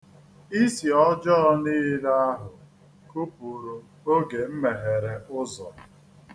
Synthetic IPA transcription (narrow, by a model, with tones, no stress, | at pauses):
i˦si˨ɔ˦d͡ʒɔ˦niː˦la˦a˦ɦʊ˨ | ku˦pu˨ɾu˨ | o˦ɡe˨m̩˦me˨ɦe˨ɾe˨ʊ˦zɔ̰˨